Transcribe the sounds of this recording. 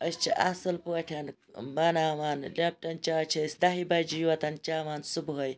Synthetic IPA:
ɐst͡ʃʰḭʔɐ̰sɨlpuɐʈʰʲɐn | bɐnaːʋaːnlʲɐp̚ʈɐnt͡ʃaːt͡ʃʰɐsʲd̪ɐɦibɐd͡ʒijuʋɐt̪ɐnt͡ʃaːʋaːnsubuɦɐj

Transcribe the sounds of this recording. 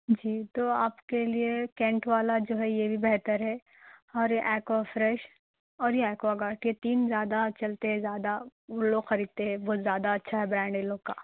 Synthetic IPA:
d͡ʒiːt̪oːaːpkeliekɛ̃ːɳʈʋaːlad͡ʒoːɦɛjebʱibɛɦt̪əɾɦɛː | ɔːɾjeʔɛːkʋafɾɛʃ | ɔːɾjeɛːkʋaɡaːʈjet̪iːnzjaːd̪at͡ʃɐlt̪eɦɛ̃zjaːd̪aʊlːoɡxɐɾiːd̪̚t̪eɦɛ̃ʋozjaːd̪aɐtːʃʰaɦɛbɾɛ̃ːɳɖelõːka̰ː

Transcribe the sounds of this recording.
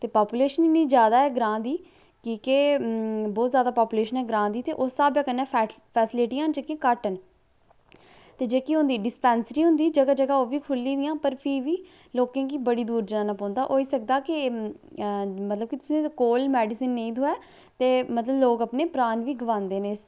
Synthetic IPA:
t̪eːpaːpuːleːʃəniniːzjaːd̪aːɛːɡɾãːd̪iː | kiːke | bɔːt̪zjaːd̪aːpaːpuːleːʃənɛːɡɾãːd̪iːt̪eːʔosːaːbjãːkənːɛ̃ː | pʰɛːsɪlɪʈijãːnd͡ʒəkiãːkaʈən | t̪eːd͡ʒeːkiɦʊ̃nd̪iːɖɪspɛːnsəɾiːɦʊ̃nd̪iːd͡ʒəɡaːd͡ʒəɡaːoːʋiːkʰʊlːiːd̪ɪjãːpəɾpʰiːʋiː | loːkãːkiːbəɽiːd̪uːɾd͡ʒənãːnãːpɔ̃ːnd̪aːʔoːiːsək̚d̪aːkɪ | mət̪ləb̚kit̪ʊsĩːkoːlmɛːɖɪsɪnːə̃ĩːt̪ʰoːɛː | t̪eːmət̪ləbloːkəpneːpɾaːnʋiːɡəʋãːnd̪eːneːs

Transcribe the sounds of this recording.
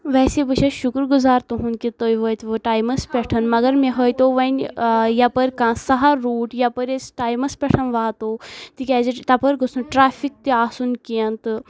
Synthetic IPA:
ʋɛːsebəʃʰɐʃukɾɡuzaːɾt̪uɦunkit̪ojʋoːjt̪ʋoʈaːjmɐspʲɛʈʰɐnmɐɡɐɾmẽɦoːjt̪oʋɐnjapɐɾʲkãːsɐɦaɾuːʈjapɐɾesʈaːjmɐspʲɛʈʰɐnʋaːt̪oːt̪ikʲɛːd͡ʒit̪ɐpɐɾɡusunʈɾaːfʰik̚t̪iaːsunkijɐnt̪ɨ

